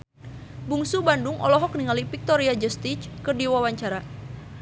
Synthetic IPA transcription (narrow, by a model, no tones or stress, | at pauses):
buŋsubanduŋʔɔ̰lɔɦɔk̚niŋalipik̚t̪ɔɾiad͡ʒəst̪it͡ʃkərdiwawaɲt͡ʃaɾa